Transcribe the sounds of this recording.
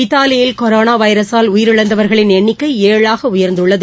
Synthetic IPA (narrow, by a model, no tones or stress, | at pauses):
ɪt̪ːaːlɪjɪlkɔɾoːnaːʋɐɪɾɐsaːlʊjɪɾɯɭɐnd̪ɐʋɐɾɣɐɭɪnɛɳːɪkːɐɪeːɭaːɣɐʊjɐɾnd̪ɯɭːɐðɯ